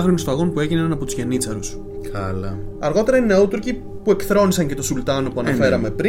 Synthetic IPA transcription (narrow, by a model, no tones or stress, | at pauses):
xɾonist̪oɐɣo̞npue̞ʝinɐnɐpot̪uzʝe̞nit͡sɐɾus | kʰɐlɐɐɾɣo̞t̪e̞ɾɐinneut̪uɾci | pue̞kθɾo̞nisɐɲce̞t̪o̞sult̪ɐno̞puɐnɐfe̞ɾɐme̞pɾi